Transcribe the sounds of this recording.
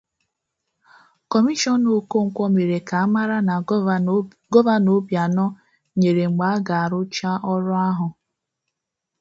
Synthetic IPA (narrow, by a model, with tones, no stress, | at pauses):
kɔ˨mi˦ʃɔ˦no˨ko˦ŋ̩˨kʷɔ˦me˨ɾe˨ka˨a˦ma˦ɾa˦na˨ | ɡɔ˦va˦no˦bja˨nɔ˦ | ɲe˨ɾe˨ŋ͡m̩˨ɡ͡ba˨a˦ɡa˨a˨ɾʊ˦t͡ʃa˦ʔɔ˦ɾʊ˦a˦ɦʊ˨